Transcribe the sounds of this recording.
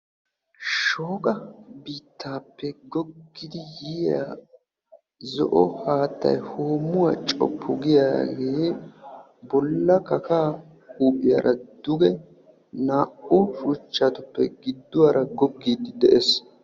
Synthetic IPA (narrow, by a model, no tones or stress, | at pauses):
ʃoːkʼɐbiːt̪ʰːaːpːɛɡɔɡːɪd̪ɪjiːja̰ | zɔ̰ʔɔhaːt̪ːɐ̰jhoːmːʊwat͡ʃʼɔ̰pʰːʊɡɪjaːɡe̞ː | bɔlːɐkɐkaː | huːʔʼɪja̰ɾʔɐd̪ʊɡɛ | naːʔʊʃut͡ʃːaːt̪ʊpːɛ̰ɡɪd̪ːʊwaːɾɐɡɔɡːiːd̪ɪd̪ɛʔɛs